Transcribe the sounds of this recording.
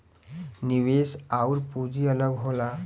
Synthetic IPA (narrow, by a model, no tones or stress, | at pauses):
niʋesawɾpud͡ziələɡɦola